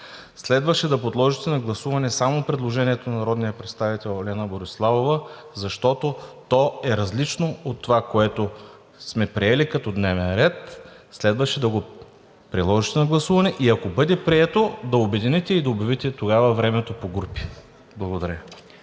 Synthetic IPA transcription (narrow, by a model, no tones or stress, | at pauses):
slɛd̪vɐʃɛd̪ɐpod̪lˠɔʒit̪ɛnɐɡlˠɐsuvɐnɛsamopɾɛd̪lˠoʒɛniɛt̪onɐnɐɾɔd̪nijəpɾɛt̪st̪avit̪ɛlˠolʲɛnəboɾislˠavovə | zɐʃt̪ɔt̪ot̪ɔɛɾɐzlit͡ʃnoot̪ːovakoɛt̪o | smɛpɾiɛlikɐt̪ɔd̪nɛvɛnɾɛt̪slɛd̪vɐʃɛd̪ɐɡo | pɾilˠɔʒit̪ɛnɐɡlˠɐsuvɐnɛʔiɐkobɤd̪ɛpɾiɛt̪od̪ɐobɛd̪init̪ɛid̪ɐobɛvit̪ɛt̪oɡavɐvɾɛmɛt̪opoɡupi̥ | blˠɐɡod̪ɐɾʲə